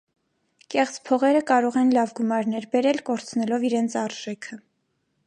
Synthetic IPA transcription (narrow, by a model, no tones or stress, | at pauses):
kɛχt͡spʰɔʁɛɾəkɑɾɔʁɛnlɑvɡumɑɾnɛɾbɛɾɛlkɔɾt͡sʰnɛlɔviɾɛnt͡sʰɑɾʒ̥ɛkʰə